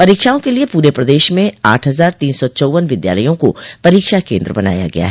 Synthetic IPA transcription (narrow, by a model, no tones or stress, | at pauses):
pɐɾiːkʃaːõkeliepuːɾepɾɐd̪eːʃmẽa̰ːʈʰɦɐzaːɾt̪iːnsɔt͡ʃɔːʋənʋɪd̪ja̰ːləjõko̰pɐɾiːkʃakḛ̃ːnd̪ɾəbɐna̰ːja̰ɡɐ̰ja̰ɦɛ